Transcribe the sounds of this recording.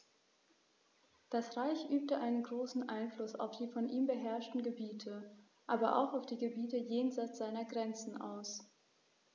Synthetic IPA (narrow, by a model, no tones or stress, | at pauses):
d̥asʁaɪçʔyːp̚təʔaɪnənɡʁoːsn̩ʔa̰ɪnflʊsa̰ʊfd̥iːfɔnʔiːmbəɦɛɐʃtn̩ɡəbiːtʰə | ʔaːbɐʔa̰ʊxaʊfd̥iːɡəbiːtəjeːnzaɪt͡sz̥aɪnɐɡʁɛnt͡sn̩ʔa̰ʊs